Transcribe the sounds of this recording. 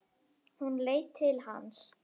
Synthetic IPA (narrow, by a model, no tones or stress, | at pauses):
hunleːjt̪ʰːɪlha̰ns